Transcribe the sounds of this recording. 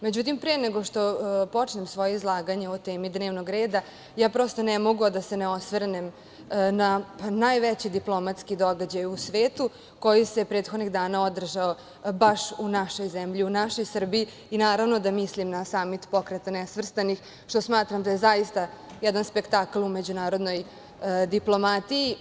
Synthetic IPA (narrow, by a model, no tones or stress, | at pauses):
me̞d͡ʑut̪̬impɾeneɡo̞ʃt̪o̞po̞t͡ʃnemsʋo̞jeizlˠaːɡaɲeot̪eːmid̪neːʋnoɡɾe̞ːd̪a | jaːpɾo̞st̪onɛmoɡod̪aseneo̞sʋrnem | nanajʋɛt͡ɕid̪iplˠomat̪skid̪o̞ɡad͡ʑajusʋe̞ːt̪u | ko̞jisepɾe̞ːt̪xod̪niɣd̪aːnaod̪r̩ʒao | baʃunaʃo̞jzɛmʎiunaʃo̞jsr̩biiːnaːɾaʋno̞d̪amislimnasamːit̪po̞kɾet̪anɛsʋr̩st̪anix | ʃt̪o̞smaːt̪ɾamd̪ajezajist̪ajɛd̪anspekt̪aklˠumed͡ʑunaːɾo̞d̪no̞j | d̪iplˠo̞mat̪iji